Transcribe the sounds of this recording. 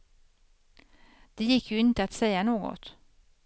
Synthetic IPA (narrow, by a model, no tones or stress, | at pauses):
d̪̥ɛjɪkʰːjʊɪnt̪əat̪sɛjanoːɡɔ̰t̪